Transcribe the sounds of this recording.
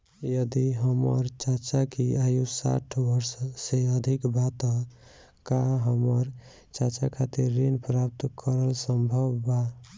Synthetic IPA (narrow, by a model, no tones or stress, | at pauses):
jʌd̪iɦʌmʌ̰ɾt͡ʃat͡ʃakiajusa̰ʈʰbʌɾsːeʌd̪ʱikbat̪ɔ | kaɦəmʌɾ | t͡ʃat͡ʃakʰat̪iɾːenpɾap̚t̪kʰʌɾəlsəmbʱʌbːa